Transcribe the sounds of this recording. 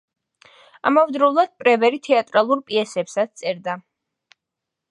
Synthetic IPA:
amɔvd̪ɾɔvlˠad̪̥̚pʼɾɛvɛɾit̪ʰɛat̪ʼɾalˠuɾpʼiɛsɛpsat̪st̪sʼɛɾd̪a

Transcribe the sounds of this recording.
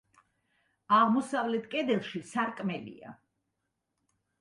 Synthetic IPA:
aʁmɔsavlɛt̪ʰkʼɛd̪ɛlˠʃisaɾkʼmɛlḭa̰

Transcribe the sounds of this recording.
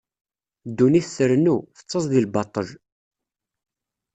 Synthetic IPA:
d̪ːuniθθəɾənufə̥t͡sːəzˤðilbɑt̪ˤːəl

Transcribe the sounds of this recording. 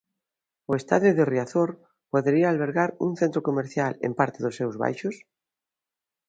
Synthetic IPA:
ʊest̪a̰ðjʊðeriaθoɾ | poðeɾiaːlβ̞eɾɣaɾṵŋθent̪ɾokomeɾθjalḛmpaɾt̪eðʊsːewzβa̰jʃʊs

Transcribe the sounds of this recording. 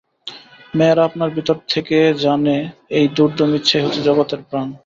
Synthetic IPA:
meɾapnaɾbʱit̪oɾt̪ʰeked͡ʑaneejd̪uɾd̪ʱomitːɕʰaeɦot̪ed͡ʑɔɡot̪eɾpɾan

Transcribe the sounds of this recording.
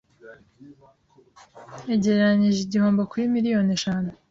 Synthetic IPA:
eɟeɾɾaɲiʒiɟiho̞ːmbokuɾimiɾijo̞neʃaːnu

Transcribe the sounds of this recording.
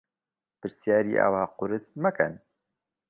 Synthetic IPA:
pɨɾsjaːɾiːʔa̰waːqʊɾɨsmɐkɛ̰n

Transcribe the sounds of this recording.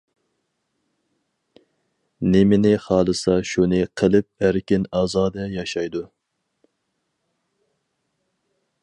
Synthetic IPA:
nɪmɪnɪχɑːlˠɨsɑʃunɨqʰəlˠɨp̚æɾkʲɪnɑːzɑːd̪ɛjɑʃɑjd̪u

